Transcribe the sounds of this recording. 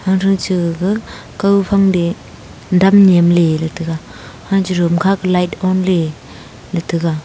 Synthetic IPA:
haŋɾʰɯŋt͡ʃɯɡɯ | kawpʰaŋde | damnemlelatʰɯɡa | hand͡ʒiɾɯmkʰakɯlajtɔnle | latʰɯɡa

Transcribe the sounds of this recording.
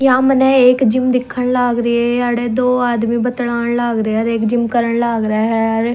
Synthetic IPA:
jãːmənɛːeːkd͡ʒɪmd̪ɪkʰːəɳlaːɡɾiːɛsaːɽeːd̪oːaːd̪mĩːbət̪ɽaːnlaːɡɾəəɾeːkd͡ʒɪmkəɾəɳlaːɡɾaːɦɛəɾ

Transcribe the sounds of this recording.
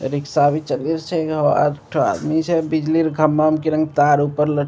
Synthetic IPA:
ɾiksabit͡ʃəliɾt͡ʃʰɛɡa̰ʈʰoa̰d̪mit͡ʃʰɛbid͡ʒliɾɡʱəmːamkeɾə̃ŋɡt̪aɾupəɾlə

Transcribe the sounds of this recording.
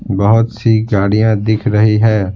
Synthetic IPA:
bɐɦʊt̪siɡaːɽijãd̪ɪkʰɾɐɦiɦɛː

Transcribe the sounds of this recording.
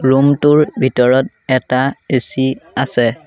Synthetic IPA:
ɹumtʊɹbʱitɔɹɔt̚ | ɛtaesiasɛ

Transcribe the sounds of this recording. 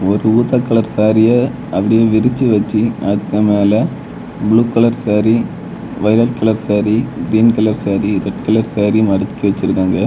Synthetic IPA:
ɔɾɯuːt̪akːɐlɐɾsaːɾɪjɐ | ɐpːɐɽɪjeːʋɪɾɪt͡ʃːɯʋɐt͡ʃːiɐðɯkːɯmeːlɐ | bɭuːkɐlɐɾsaːɾi | ʋɐɪɾɐʈ̚kɐlɐɾsaːɾiɡɪɾiːnkɐlɐɾsaːɾiɾɛʈ̚kɐlɐɾsaːɾimɐɽɯt̪ːɪ̥kːiʋɐt͡ʃːɪɾɯkːaːŋɡɐ

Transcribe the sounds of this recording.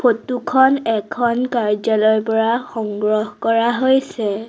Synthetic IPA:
pʰotukʰɔnɛkʰɔnkaɹzalɔjpɔɹaxɔŋɡɹɔhkɔɹaɦojsɛ

